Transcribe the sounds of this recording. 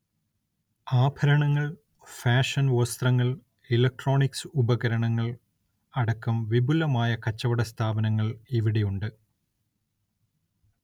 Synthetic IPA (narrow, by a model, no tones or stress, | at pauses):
aːbʱɐɾɐɳɐŋːɐɭ | faːʂɐnost̪rɐŋːɐɭ | elɐk̚ʈro̞ːɳiksɨubɐɣɐɾɐɳɐŋːɐɭ | ɐɽɐkːɐmʋibulɐmaːjɐkɐt͡ɕːɐʋɐɽɐst̪ʰaːbɐnɐŋːɐɭiʋiɽejuɳɖɨ